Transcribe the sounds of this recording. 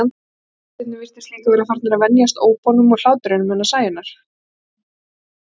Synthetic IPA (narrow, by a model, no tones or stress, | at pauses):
an | θɪt̪nɪvɪr̥t̪ɪ̥slɪːk̪avɛɾafaɾ̥t̪naɾaðvɛnjast̪oːwpɔnʏmɔɣl̥aːwt̪ʏɾɪnʏmɛnːasaːjɪnːaɾ̥